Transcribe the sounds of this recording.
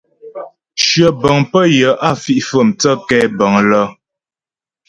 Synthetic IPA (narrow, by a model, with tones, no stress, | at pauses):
ʃɥə˨bə˨ŋpə˦jə˨˦ʔa˦˨fi˦ʔfə˦˨mt͡sə˦kɛ˦˨bə˨ŋlɔ˦